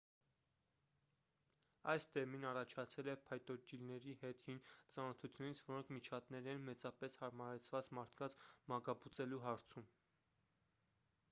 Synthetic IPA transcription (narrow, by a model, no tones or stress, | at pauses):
ɑjsd̪ɛminɑrɑt͡ʃʰɑt͡sʰɛlɛpʰɑjt̪ɔd͡ʒilnɛɾihɛt̪hint͡sɑnɔt̪ʰut͡sʰjunit͡sʰvɔɾɔŋkʰmit͡ʃʰɑt̪nɛɾɛnmɛt͡sɑpɛshɑɾmɑɾɛt͡sʰvɑt͡smɑɾt̪ʰkɑnt͡smɑɡɑput͡sɛluɦɑɾt͡sʰum